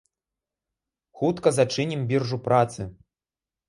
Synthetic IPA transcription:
xut̪kɐzat͡ʂɨnʲimbʲirʐupɾat̪sɨ

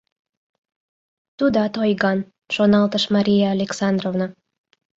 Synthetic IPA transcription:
t̪ud̪ɑt̪ojɣɑn | ʒonɑlˠt̪əʃmɑɾʲijaːlʲeksɑnd̪rovnɑ

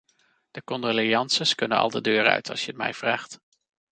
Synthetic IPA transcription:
d̥əkɔndolijɑnsəskɵnənɑ̰lˠdədøːrœ̰ɥtʰɑlˠsʃjəətmɛ̰jv̥raːχt

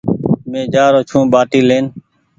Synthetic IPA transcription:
mẽːd͡ʒaːɾoːt͡ʃʰũːɓaːʈiːleːn

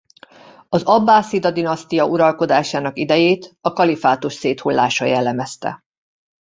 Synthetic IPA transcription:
ɒzɒbːaːsid̪ɒd̪inɒst̪ijɒʔuɾɒlko̞d̪aːʃaːnɒkid̪ɛjeːt̪ɒkɒlifaːt̪uʃseːt̪hulːaːʃɒ̰jɛlːɛmɛst̪ɛ̰

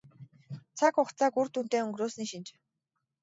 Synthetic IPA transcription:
t͡sʰakʊχt͡saːkurt̪uːn̥t̪eːɵŋɡɾoːsniʃint͡ɕ

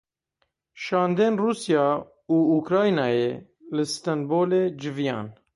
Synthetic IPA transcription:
ʃɑːnd̪eːnruːsijɑː | uːuːkɾɑːjnɑːjeː | lɨst̪ɛnboːleːd͡ʒɪvijɑ̰ːn

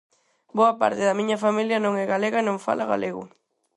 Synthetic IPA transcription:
boɐpa̰ɾt̪ɪðɐmĩɲɐfamiljɐnõŋɛɣaleɣɐnõŋfa̰lʔaɣa̰leɣʊ̰

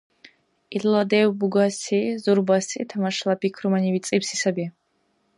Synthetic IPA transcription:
illad̪ɛwbuɡasizuɾbasḭt̪ʰamaʃlˠapʰikʰɾumaniwit̪sʼipsisabi

